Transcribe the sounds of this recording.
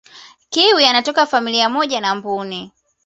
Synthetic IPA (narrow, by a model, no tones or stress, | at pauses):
kiwianatɔkafamiliamɔʄanambuni